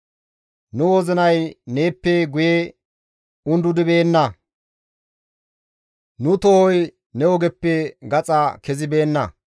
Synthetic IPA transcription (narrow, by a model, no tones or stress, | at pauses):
nʊwɔzɪnɐjne̞ːpːeɡʊje | ʊnd̪ʊd̪ɪbe̞ːnːɐ | nʊt̪ɔhɔj | nɛwɔɡɛpːɛɡɐt͡sʼɐkɛzɪbe̞ːnːɐ